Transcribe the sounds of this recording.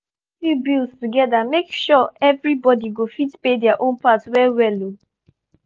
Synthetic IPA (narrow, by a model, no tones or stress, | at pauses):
fibilstuɡɛdamekʃɔɛvɹibɔdiɡofitpedɛaʔõnpatwɛwɛlo